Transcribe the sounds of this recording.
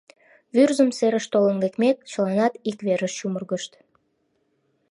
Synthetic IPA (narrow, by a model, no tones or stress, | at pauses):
βyrzəmseɾəʃt̪olənɡekmek̚t͡ɕəlɑnɑt̪ikβeɾəʃʃumərɣəʃt̪